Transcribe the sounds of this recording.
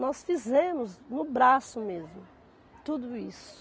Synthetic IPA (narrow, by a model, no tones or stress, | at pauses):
nɔsfizẽmʊznʊbɾasʊmezmʊ | t̪ud̪ʊisʊ̥